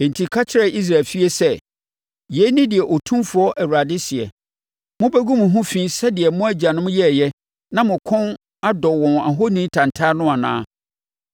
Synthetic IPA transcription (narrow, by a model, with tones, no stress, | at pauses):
e˨n̩˨tʰi˨kʰa˦t͡ɕʰɪ˦ɾɛ˦ʔi˦s̬ɾa˨lfi˦e˦sɛ˦ | je˦nɪ̃˦dɪ˨ɛ˨ʔo˨tʰũ˦mfʊ˨˦ɔ˦ʔæ˨wa˨dɪ˦sɪ˨ɛ̰˨ | mʊ̃˦bæ˦ɡũ˦mʊ̃˨ɦʊ̃˦fĩː˦sɛ˦dɪ˨ɛ˨mʊ̃˦æ˦d͡ʑa˨nʊ̃˦m̃˦jɛ˦˨jɛ˦ | nã˦mʊ̃˨kʰɔ̃˦n | a˦dɔ˨wɔ̃˨na˨ɦo˦nĩ˦tʰã˨n˨tʰa˦nʊ̃˦a˨nã̰ː˦